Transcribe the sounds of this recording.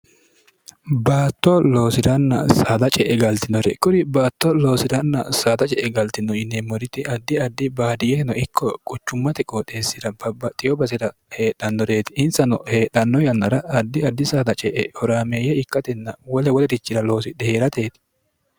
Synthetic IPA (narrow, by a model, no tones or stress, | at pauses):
baːt̪ːɔlo̞ːsɪɾɐnːɐ̰saːd̪ɐt͡ʃʼɛʔɛɡɐlt̪ɪnːɔɾɛ̰kʊɾɪbaːt̪ːɔlo̞ːsɪɾɐnːɐ̰saːd̪ɐt͡ʃʼɛʔɛɡɐlt̪ɪnɔjɪnːemɔɾɪt̪ːɪɐd̪ːɪɐd̪ːɪbaːd̪ɪjɛɛnɔʔɪkʰːɔkʼʊt͡ʃːʊmːɐt̪ɛkʼoːt̪e̞ːsːɪɾɐbɐbɐt̪ʼːɪjɔbɐsɪɾɐhe̞ːɗːɐnːɔɾeːt̪ɪɪnsɐnɔhe̞ːᶑɐnːɔjɐnːɐɾɐːd̪ːɪɐd̪ːɪsaːd̪ɐt͡ʃʼɛʔɛhɔɾaːmeːjɛɪkːɐt̪ɛnːɐwɔlɛwɔlɛd̪ɪt͡ʃːɪɾɐlo̞ːsɪd̪ɛheːɾɐt̪e̞ːt̪ɪ̥